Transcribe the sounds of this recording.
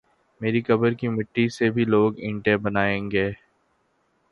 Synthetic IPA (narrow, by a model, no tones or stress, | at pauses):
meːɾikɐbəɾkimɪʈːisebʱiloːɡɪ̃ɳʈẽbɐnaːẽːŋɡeː